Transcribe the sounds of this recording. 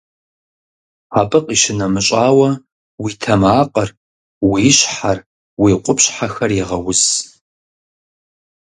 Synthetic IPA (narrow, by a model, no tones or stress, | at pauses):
apʼɨqʼiʃɪnɐmɨɕʼaːwɐ | witʰɐmaːqʼɐr | wiːɕħar | wiːqʷʼʊpɕħaxɐrjiʁɐwʊs